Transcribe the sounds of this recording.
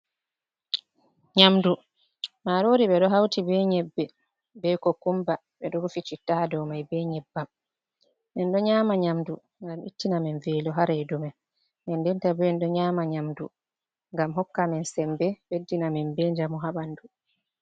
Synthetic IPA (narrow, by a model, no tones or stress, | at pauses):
ɲamdu | maɾoɾiɓɛɗɔɦawtibɛɲɛbːɛ | bɛkɔkumba | ɓɛɗɔɡufit͡ʃitaadɔmajbɛɲɛbːam | mɛnɗɔɲaːmaɲamdu | ŋɡamʔḭtːinamɛnvɛːlɔɦaɾɛdumɛn | mɛndɛntabɛnɗɔɲaːmaɲamdu | ŋɡamɦɔkːamɛnsɛmbɛbedːinamɛnbɛɲd͡ʒamuɦaɓandu